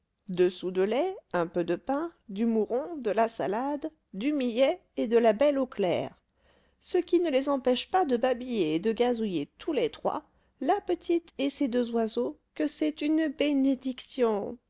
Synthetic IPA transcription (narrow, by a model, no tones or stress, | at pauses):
d̪əsud̪əlɛɛ̃pød̪əpɛ̃d̪ymuʁɔ̃d̪əlasa̰lad̪ː | ymijɛed̪əlabɛloklɛ̰ʁ | səkʲinəlezɑ̃pɛʃpad̪əbabijeːd̪əɡʲazujet̪ʰulet̪χwa̰ | lapət̪ʰit̪esed̪øzwazokəsɛt̪ynbened̪iksjɔ̃